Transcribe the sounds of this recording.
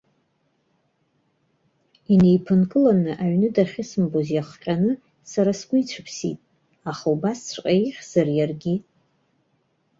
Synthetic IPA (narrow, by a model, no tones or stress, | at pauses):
ine̞jpʰɨnkʼɨlanɨʔaɥnɨdaχʲɪsɨmbozjaχʷqʲʼanɨ | saɾasɡ̥ʷʊit͡ɕʷʰɨpʰsḭtʼ | aχawbast͡sʷʰqʼaiχʲz̥arjarɡʲi